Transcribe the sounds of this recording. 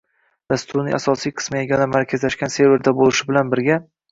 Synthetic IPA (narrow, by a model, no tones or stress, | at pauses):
d̪̥ast̪ʰʊɾnɪʔasɒsijqʰɨ̥smɪeɡʲanamaɾkʲʰazlaʃkʲanse̞ɾve̞ɾd̪abolɪʃɪbɪlanbɪɾɡʲa